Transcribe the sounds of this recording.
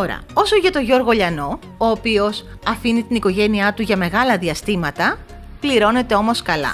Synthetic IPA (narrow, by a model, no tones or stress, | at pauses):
to̞ɾɐ̰o̞soʝɐt̪o̞ʝo̞ɾɣo̞ʎɐno̞ | oːpio̞s | ɐfinit̪iniko̞ʝe̞niɐt̪uʝɐme̞ɣɐlɐðiɐst̪imɐt̪ɐ | pliɾo̞ne̞t̪e̞o̞mo̞skɐlɐ̰